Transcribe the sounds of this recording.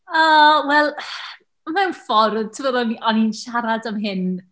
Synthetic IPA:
əːwɛlˠ | mɛwnfɔrðtʰəməðɔniʔɔninʃaɾadəmɦɪn

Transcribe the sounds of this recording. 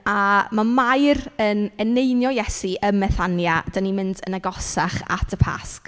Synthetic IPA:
amamajrənɛnejnjɔjɛsiʔəmɛθanjad̥animɪndənaɡɔsaχa̰tʰəpʰa̰sk

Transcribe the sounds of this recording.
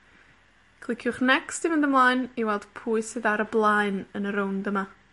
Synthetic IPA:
kʰlˠɪkʰjʊχnɛksd̥ɨvəndəmlˠaːjniwɛlˠd̥pʰuːɨsɨðaɾəblˠaɨnənəɾowndəma

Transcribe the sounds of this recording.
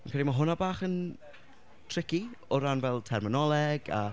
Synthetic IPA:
mankʰaɾimaɦʊnabaːχən | tʰr̥ɪkiɔɾanvɛlˠtʰɛrmɪnɔlˠɛɡa̰

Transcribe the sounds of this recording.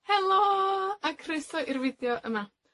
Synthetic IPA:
hɛlˠoakʰrɪstɔʔirvɪdjɔʔəma

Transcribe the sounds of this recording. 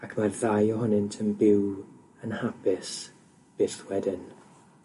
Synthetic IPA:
akʰmarðajɔɦɔnɪntʰənbɪw | ənhapʰɪs | b̥ɪθwɛdɪn

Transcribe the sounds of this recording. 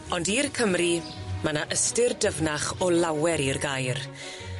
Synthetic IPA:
ɔndirkʰəmri | manaʔəstɪrdəvnaχɔlawɛɾirɡajr

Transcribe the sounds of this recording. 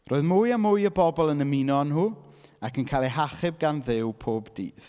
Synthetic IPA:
rʔoːɨðmʊɨjamʊjəbɔbɔlˠənəminɔnhuːakʰənkʰaːlˠɛɦaχɪb̚ɡanðɪwpʰoːbdḭːθ

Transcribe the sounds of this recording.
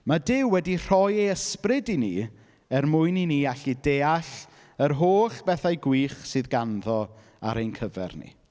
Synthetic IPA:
madɪwːɛdir̥ɔjeəsprɨdini | ɛrmʊjniniaɬideːaɬ | əɾɦoːɬb̥ɛθajɡwiːχsɨðɡanðɔ | a̰ɾejnkʰəvɛ̰rnḭ

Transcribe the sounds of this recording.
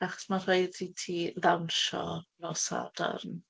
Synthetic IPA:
aχɔ̥smar̥ajditʰiːðawnʃɔ̰nosa̰d̥a̰rn

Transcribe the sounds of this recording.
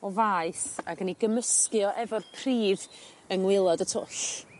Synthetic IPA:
ɔvaɨsa̰ɡəniɡəməskɨɔʔɛvɔrpʰriːð | əŋwɪlˠɔdətʰʊɬ

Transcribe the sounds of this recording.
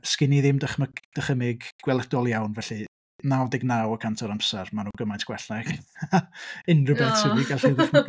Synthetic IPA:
skɪniðɪmdəχməkd̥əχəmɪɡɡ̥wɛlˠəd̥ɔlˠjawnvɛɬɨ | nawdɪɡnawɔkʰantʰɔɾamsɛrmanuːɡəmajntʰɡ̥wɛɬnɛɡ̥aɪnrəbɛsəwiɡalɪχmək

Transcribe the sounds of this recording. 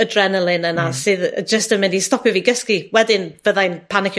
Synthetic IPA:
ədrɛnəlˠɪnənasɨðd͡ʒəstəmɪ̃ndistɔpʰɨviɡəskiwɛdɪnv̥əðajnpʰanɪkʰj

